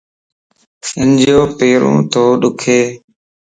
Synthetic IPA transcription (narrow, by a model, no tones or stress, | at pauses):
ɪnd͡ʒjoːpeːɾõ̰ːt̪oːɗʊkʰeː